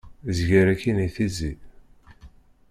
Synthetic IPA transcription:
zʝəɾækːiniθizi

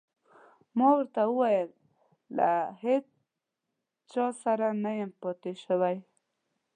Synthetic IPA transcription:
mɑwəɾt̪awəwajəlː | a̰het͡s | t͡ʃɑsaɾanajəmpɑt̪eʃəwaj

